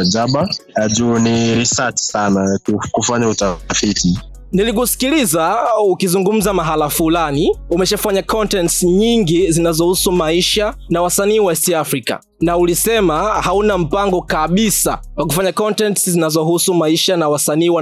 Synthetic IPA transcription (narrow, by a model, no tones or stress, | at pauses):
d͡ʒaɓaaʄuniɾisati̥sanakkufaɲautafiti | nilik̬usi̥kilizaukizuŋɡum̩zamaɦalafulaniumɛʃafaɲakɔntɛntsɲiŋɡizinazɔhusumaiʃanawasaniːwastiafɾika̰ | naulisɛmahaunam̩paŋɡɔkaɓisa̰ | wak̬ufaɲakɔntɛntszinazɔɦusumaiʃanawasaniːwa